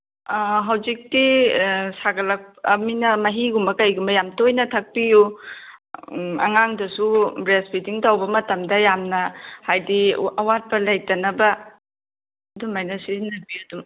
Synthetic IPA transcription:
ɦɐwzik̚tisaɡɐlɐk̚pɐminɐmɐɦiɡumbɐkɐjɡumbɐjamtojnɐtʰɐk̚piju | ɐ̰ŋaŋdɐsubɾespʰitiŋtawbɐmɐtɐmdɐjamnɐhajdiɐwat̚pɐlaj̚tɐnɐbɐ | dumajnɐsinɐbiɐdum

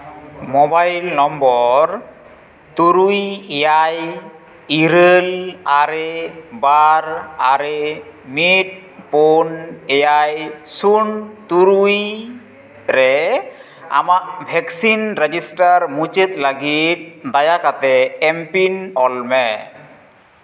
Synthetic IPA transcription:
mɔbajlnɔmbɔɾ | t̪uɾujejaj | iɾəlaɾebaɾaɾemit̚ | ponejajsunt̪uɾuj | ɾɛ | a̰maʔbʱɛksinɾed͡ʒisʈaɾmut͡ʃet̪̚laɡit̪̚d̪ajakat̪ɛːmpinɔlmɛ

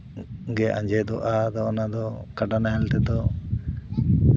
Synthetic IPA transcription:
ɡɛʔã̰ɲd͡ʒɛd̪ɔʔad̪ɔɔnad̪ɔkaɖanaɦɛlt̪ɛd̪ɔ

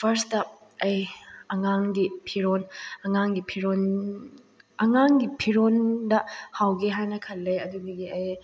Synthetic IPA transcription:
pʰɐɾstɐ | ɐjɐŋaŋɡipʰiɾonɐŋaŋɡipʰiɾon | ɐŋaŋɡipʰiɾondɐhawɡeɦajnɐkʰɐlːɐjɐdudiɡiɐj

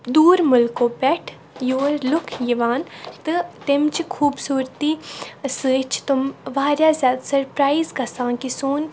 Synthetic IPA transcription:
d̪uːɾmʊlkoːpɛʈʰ | joːɾlʊkʰjiʋaːnt̪ɨt̪ɪmt͡ʃikʰuːbsuːɾt̪iːsɨːt͡ʃʰt̪ʊmʋaːɾjaːzʲjaːd̪sɐɾpɾaːizkɐsãːkisoːn

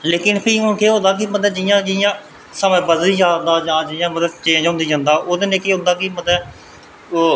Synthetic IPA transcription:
leːkɪnpʰiːʊnkʰeːɦõːd̪aːk̬iːbəd̪ɛːd͡ʒɪjãːd͡ʒɪjãː | saːmẽːbəzliːd͡ʒãːd̪aːd͡ʒãːd͡ʒɪjãːbəd̪ɛt͡ʃẽːd͡ʒɦõːnd̪iːd͡ʒãːnd̪aːʔoːd̪eːneːkeːɦʊ̃nd̪aːkiːbəd̪ɛː | oː

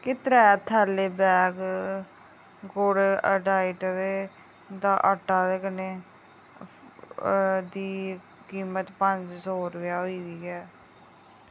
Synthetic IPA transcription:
kɪt̪ɾɛːt̪ʰɛːleːbɛːɡ | ɡoɽəɖaːɪʈd̪eː | d̪aːʔəʈːaːd̪eːkəneː | d̪iː | kiːmət̪pəɲd͡ʒsoːɾʋjaːɦoiːd̪iːɛː

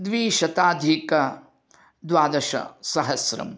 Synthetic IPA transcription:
d̪ʋiːʃɐt̪aːd̪ʱikɐ | d̪ʋaːd̪ɐʃɐ̰sɐɦɐsɾɐ̰m

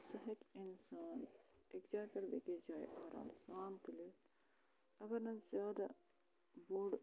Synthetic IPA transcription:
sɐɦɐkɪnsaːnekd͡ʒaːɾkɐɾbḛːked͡ʒaːḛʔaːɾʔa̰ːmsaːmt̪ili | ɐɡɐɾnɐzjaːd̪a | boːɽ

